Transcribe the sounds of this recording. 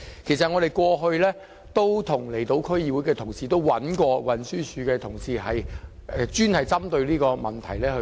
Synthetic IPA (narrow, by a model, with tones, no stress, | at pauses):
kʰe˨˩js̬ɐ˨t̚ŋɔː˨˧ɾe˨jkʷɔː˧ɦɵ˧ɥlɛː˥ | t̪o˥wt̪ʰʊ˨˩ŋle˨˩jt̪o˨˧wkʰɵ˥ɥjiː˧wu˨˥jkɛː˧t̪ʰʊ˨˩ŋsiː˨t̪o˥wwɐ˨˥nkʷɔː˧wɐ˨˩nsyː˥syː˨˧kɛː˧t̪ʰʊ˨˩ŋsiː˨ɦɐ˨jɛ˨˧t͡ʃyː˥nhɐ˨jt͡sɐ˥mt̪ɵ˧ɥliː˥kɔː˧mɐ˨˩nt̪ʰɐ˨˩jlɛː˥hɵ˧